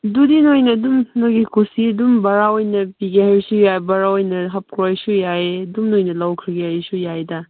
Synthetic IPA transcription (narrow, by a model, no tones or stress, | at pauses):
dudinojnɐːdumnoɡikusiɐdumbaɾaojnɐpiɡehaɾisujabaɾaojnɐɦɐp̚kɾojsujaedumnojnɐlawkʰɾiɡehaɾisujajdɐ